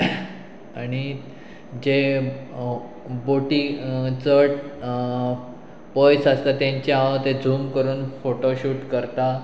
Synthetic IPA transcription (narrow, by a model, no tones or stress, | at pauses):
aɽ̃i | d͡ʑe | boʈit͡səʈ | pɔjsast̪at̪jãɲt͡ɕjaaət̪ed͡zʱuːmkəɾuːnfoʈoɕuːʈkəɾt̪a